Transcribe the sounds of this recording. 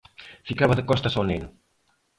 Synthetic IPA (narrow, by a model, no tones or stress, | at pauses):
fikaβɐðəkɔst̪asonenu